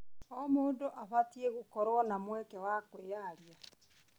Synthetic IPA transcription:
ɔmoːndoʔaβatieɣokɔɾwɔnamwɛkɛwakweːjaɾja

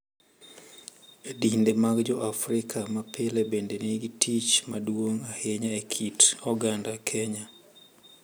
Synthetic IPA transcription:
dindemaɡd͡ʒɔʔafɾɪkʰamapʰelɛbendeniɡitʰit͡ʃmadwoŋaheɲaekʰitɔɡandakʰɛɲa

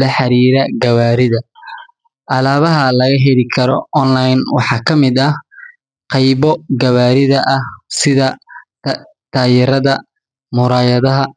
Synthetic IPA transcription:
lɐħɑɾiːɾɐɡɐwaːɾɪðɐ | ʔɐlaːβɐɦɐlɐɣɐɦɛlɪkʰɐɾɔ̰ʔɔnlajnwɑ̰ħɑːkʰɐmɪd̪ɐ | qɑjβɔɡɐβaːɾɪðɐʔɐhsɪðɐ | t̪ʰaːjɪɾɐðɐ | mʊɾaːjɐðɐɦɐ

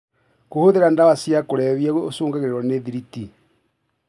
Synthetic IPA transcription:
kohoðeɾandawasjakoɾɛβjɛosoːŋɡaɣeɾeɾwɔneðiɾiti

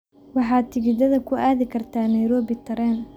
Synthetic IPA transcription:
wɑħɑːd̪̚t̪ʰɪɣɪd̪ɐðɐkʰʊʔaːðɪkʰɐrt̪ʰaːnɛjɾɔːbɪt̪ʰɐɾɛːn

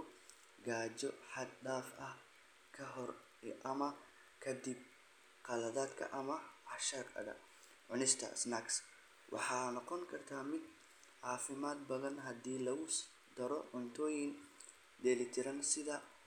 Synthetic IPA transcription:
ɡaːt͡ʃɔħɑd̪ɖaːfɐh | kʰɐɦɔr | ʔɐmɐ | kʰɐd̪ɪb̚ | qɑlɐðaːd̪kʰɐ̰ʔɐmɐɑʃɐrkɐ̰ðɐ̰ | ʕʊnɪst̪ʰɐ̰snaks | wʔɑ̰ħɑːnɔqɔŋkʰɐrt̪ʰaːmɪd̪ | ʕɑːfɪmaːd̪̚bɐðɐnɦɐd̪iːlɐɣʊ | d̪̥ɐɾɔʕʊnt̪ʰɔːjɪn | d̪ɛːlɪt̪ʰɪɾɐnsɪðɐ

